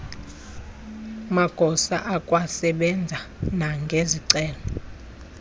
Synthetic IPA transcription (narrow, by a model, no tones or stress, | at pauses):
maɡ̥ʱɔsa̰ʔakʼwasɛɓɛnd͡zʱanaŋɡʱeziǀɛːlɔ